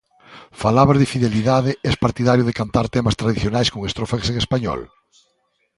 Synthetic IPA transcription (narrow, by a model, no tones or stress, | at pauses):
falaβazðefiðeliðaðɪɛspaɾt̪iðaɾjʊðekant̪aɾt̪ɛmɐst̪ɾaðiθjonajskoŋest̪ɾofakseŋespaɲɔ̰l